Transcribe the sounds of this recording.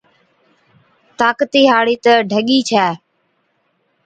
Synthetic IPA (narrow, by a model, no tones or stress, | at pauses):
t̪aːkət̪iːɦaːɽiːt̪əɖʱəɠiːt͡ʃʰɛː